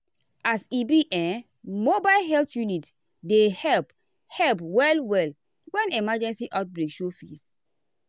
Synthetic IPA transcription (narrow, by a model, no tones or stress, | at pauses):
asibiʔɛ̃n | mobaɪlɦɛltjunit | dehɛlp | hɛlpwɛlwɛl | wɛ̃nemad͡ʒɛ̃nsiʔaʊt̚bɹekʃofis